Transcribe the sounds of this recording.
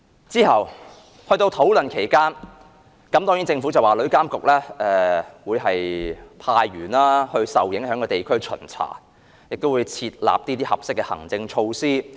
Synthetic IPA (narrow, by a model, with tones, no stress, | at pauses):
t͡siː˥hɐ˨w | hɵ˧ɥt̪o˧wt̪ʰo˨˥wlɵ˨˩nkʰe˨˩jkaː˥n | kɐ˨˥mt̪ɔː˥ŋji˨˥nt͡sɪ˧ŋfu˨˥t͡sɐ˨˩waː˨˩lɵ˨˥kaː˥mkʊ˨k̚lɛː˥ʔɛː˨˩wuː˨˧jɦɐ˨jpʰaː˧jɥyː˨˩naː˥hɵ˧ɥsɐ̰˨wjɪ˨˥ŋhœː˨˥ŋkɔː˧t̪e˨˩jkʰɵ˥ɥt͡ʃʰɵ̰˨˩nt͡sʰa̰ː˨˩ | jɪ˨k̚t̪o˥wuː˨˧jt͡sʰiː˧t̚la̰ː˨p̚t̪i˥t̪iː˥hɐ˨p̚sɪ˥kːɛ˧hɐ̰˨˩ŋt͡sɪ˧ŋt͡ʃʰo˧wsiː˥